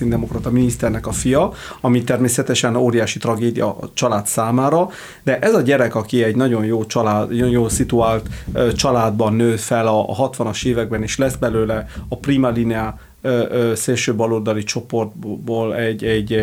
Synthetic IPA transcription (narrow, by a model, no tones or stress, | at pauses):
ind̪ɛmokrɒt̪ɒminist̪ɛrnɛkɒfijɒ | ɒmit̪ɛrmeːsɛt̪ɛʃɛnoːɾijaːʃit̪rɒɡeːd̪ijɒ̰t͡ʃɒlaːt̪saːmaːɾɒ | d̪ɛʔɛzɒɟɛɾɛkɒkiɛɟnɒɟo̞njoːt͡ʃɒlːjoːlsit̪uaːlt̪t͡ʃɒlaːd̪bɒnːøːfɛlɒɦɒt̪ʋɒnɒʃeːvɛɡ̚bɛneːʃlɛzbɛløːlɛɒpriːmalinɛa | øseːlʃøːbɒlord̪ɒlit͡ʃo̞po̞rt̪̚boːlɛɟːɛɟ